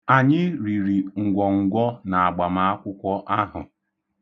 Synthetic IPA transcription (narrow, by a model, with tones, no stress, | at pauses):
a˨ɲɪ˦ɾi˨ɾi˨ŋ̩˨ɡʷɔ˨ŋ̩˨ɡʷɔ˦na˨a˨ɡ͡ba˨ma˨˦a˦kʷʊ˦kʷɔ˦ʔa˦ɦʊ̰˨